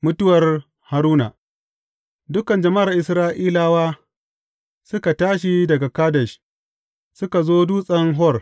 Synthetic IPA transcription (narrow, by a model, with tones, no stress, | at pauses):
mʊ˦tʊ˦wɐ˨r | ha˨ɾuː˦na̰˨ | dʊ˦kɐ˨nd͡ʒɐ˨ma˦a˨ʔɪ˨sɾaː˦ʔiː˦laː˦waː˦ | sʊ˦ka˨taː˦ʃ̬i˦dɐ˨ɡa˨kaː˦dɐ˨ʃ | sʊ˦ka˨zoː˦duː˦sʼɐ˦ŋɦɔ˦˨r